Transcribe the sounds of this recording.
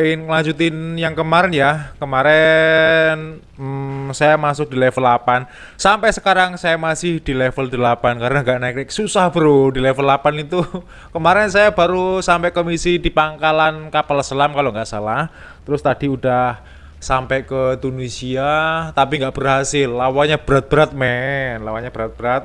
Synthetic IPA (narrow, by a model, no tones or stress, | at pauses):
ɪnŋəlaɲd͡ʒut̪ɪnjaŋkəmaɾɛnjakəmaɾɛ | n | sajamasʊk̚d̥i̤lɛfəlapan | sampɛsəkaɾaŋsajamasɪhd̪̥i̤lɛfəld̪̥ə̤lapankaɾnaŋɡaʔnɛk̚ɪksusahb̥əɾudilɛfəlapanit̪u | kəmaɾɛnsajab̥aɾusampɛʔkomisid̥i̤paŋkalankapalsəlamkaloŋɡaʔsalah | t̪əɾʊst̪ad̥i̤ud̥ah | sampɛʔkət̪unisiat̪apiŋɡaʔb̥ərɦasɪlːawaɲab̥əɾat̪̚b̥əɾat̪̚mɛnlawaɲab̥əɾat̪̚b̥əɾat̪̚